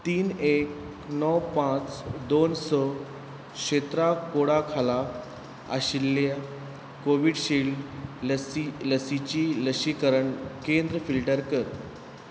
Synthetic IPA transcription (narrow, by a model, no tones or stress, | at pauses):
t̪iːnek | nɔwpãt͡sd̪onsɔ | kɕet̪ɾakoɽakʰala | a̰ɕilːa | koʋiɽɕil | iləsit͡ɕiːləɕikəɾəɳkend̪ɾəfilʈəɾkəɾ